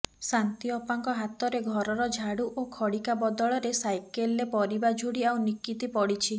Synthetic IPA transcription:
sant̪iɔpaŋkɔɦat̪ɔɾeɡʱɔɾɔɾɔd͡ʒʱaɽuʔokʰɔɽikabɔd̪ɔɭɔɾesajkelːepɔɾibad͡ʒʱuɽiawnikit̪ipɔɽit͡ʃʰi

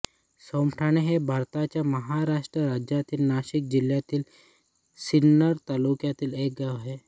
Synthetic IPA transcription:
somʈʰaɳ̃eɦebʱaɾt̪at͡ɕjaməɦaɾaʂʈɾəɾad͡ʑjat̪iːlnaɕik̚d͡ʑiljat̪iːl | sinːəɾt̪alukjat̪iːlek̚ɡaɦe

